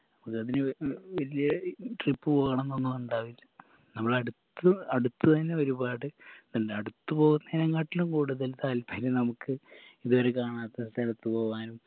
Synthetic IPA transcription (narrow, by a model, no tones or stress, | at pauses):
nɐmukːɨɐðineʋɐlijɐʈripːɨpoːɣɐɳenːonːumuɳɖaːʋilː | nɐmːɐɭɐɽut̪ːuɐɽut̪ːut̪ɐnːeoɾubaːɽɨnuɳɖeɐɽut̪ːupo̞ːɣunːɐinɐŋkaːʈːilumkuːɽuðɐlt̪aːlpɐjilenɐmukːɨiðo̞ːɾekaːɳaːt̪ːest̪ɐlut̪ːupo̞ːɣuʋaːnum